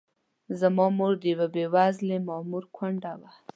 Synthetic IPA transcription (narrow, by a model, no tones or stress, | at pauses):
zamɑmoɾd̪əjwabewazlemɑmuɾkʰwaɳɖawa